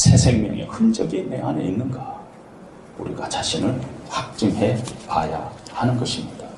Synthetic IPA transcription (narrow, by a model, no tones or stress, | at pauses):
sʰe̞sʰe̞ŋmjʌ̰ŋḛhɯnd͡ʑʌɡinːeaneinːɯnɡa | uɾiɡat͡ɕaɕʰinɯɭhak̚t͡ɕ͈ɯŋɦe̞paja̰hanɯnɡʌɕʰimɲida